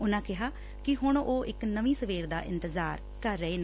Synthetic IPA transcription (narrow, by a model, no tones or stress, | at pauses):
ʊnãːkɪɦaː | kɪɦʊɳoːʔɪknəʋĩːsəʋeːɾd̪a̰ːʔɪ̰nt̪əzaːɾ | kəɾːəeːneː